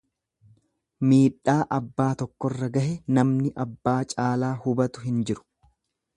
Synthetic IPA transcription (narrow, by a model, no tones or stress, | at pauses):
miːᶑːaːʔɐbːaːt̪ɔkːɔrːɐɡɐhɛnɐmnɪʔɐbːaːt͡ʃʼaːlaːhʊbɐt̪ʊɦɪnd͡ʒɪɾʊ̥